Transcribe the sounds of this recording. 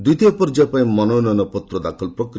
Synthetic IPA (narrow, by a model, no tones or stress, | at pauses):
d̪it̪iɔpɔɾd͡ʒapaĩmɔnɔnɔnɔpɔt̪ɾɔd̪akʰɔlpɾɔkɾ